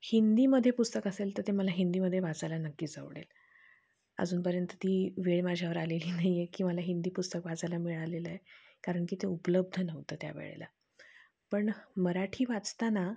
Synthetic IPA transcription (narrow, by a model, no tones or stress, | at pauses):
hind̪iːməd̪ʱːjepust̪əkəselt̪əɾt̪eməlaɦind̪iːməd̪ʱːjeʋad͡zalanəkːiːd͡za̰ʋɽḛl | ə̰d͡zuːnpəɾjənt̪ət̪iːʋeɭmad͡ʑʱjaʋəɾaleliːnaɦjjekiːməlaɦind̪iːpust̪əkʋad͡zalamiɭaleləe | kaɾəɳkiːt̪eupələb̚d̪ʱənəʋt̪əːt̪ja̰ʋḛɭḛla̰ | pəɳməɾaʈʰiːʋat͡st̪ana